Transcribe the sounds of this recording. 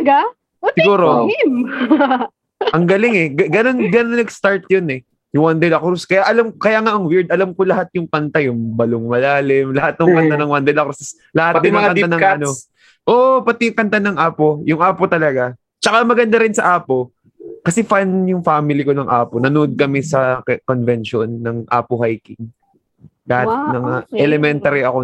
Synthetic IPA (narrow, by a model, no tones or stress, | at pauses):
ɡa | sɪɡuːɾom | ʔɐŋɡɐlɪŋɛɡɡɐnonɡɐnoɐnɐɡst̪aɹt̪̚jonɛ | jʊŋwand̪ɛlɐkɾuskɐjaʔɐlamkɐjaːŋaʔɐŋwɪɹd̪̚ʔɐlamko̞lɐhat̪̚jʊŋpɐnt̪ajʊŋbɐloŋmɐlaːlɪmlɐhat̪̚nɐŋkɐnt̪anɐŋwɐnd̪ɛlɐkss | lɐhat̚d̪ɪnmɐkɐnanɐŋɐno | ʔoʔpɐt̪ɛjʊŋkɐnt̪anɐŋʔaːpo̞jʊŋʔaːpo̞t̪ɐlɐɡa | t͡ʃɐkamɐɡɐnd̪aɾɪnsɐʔaːpo̞ | kɐsɛfanjʊŋfaːmɪlɪko̞nɐŋʔaːpo̞nɐnoʔod̪̚kɐmɛsɐkonvɛnʃonːɐŋʔa̰ːpoɦajkɪŋ | lɐhat̪nɐŋaʔɛlɛmɛnt̪ɐɾiɐko